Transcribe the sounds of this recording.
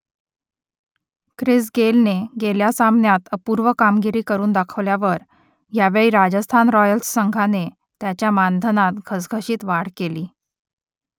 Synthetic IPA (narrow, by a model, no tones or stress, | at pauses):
kɾis̬ɡelneɡeljasamnjat̪əpuɾʋəkamɡiɾiːkəɾuːnd̪akʰəʋljaʋəɾ | jaʋeɭiːɾad͡ʑəst̪ʰanɾɔjəlssəŋɡʱane | t̪jat͡ɕjamand̪ʱənat̪ɡʱəsɡʱəɕiːt̪ʋaɽ̤keliː